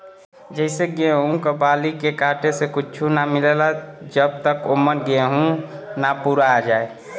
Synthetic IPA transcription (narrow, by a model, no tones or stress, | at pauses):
d͡ʒəɪseɡeɦũkəbalikekaʈesekut͡ʃʰunamilelad͡ʒəb̚t̪əkomːəɾɡeɦũnapuɾad͡ʒaːe